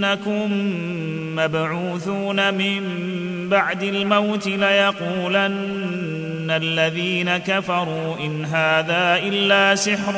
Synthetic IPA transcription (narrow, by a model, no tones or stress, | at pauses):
akʊmː | abʕuːθuːnamɪm | baʕd̪almawt̪ɪlajɑquːlanː | alːaðiːnakafɑɾˤuːʔɪnɦaːðaːʔɪlːaːsɪħɾ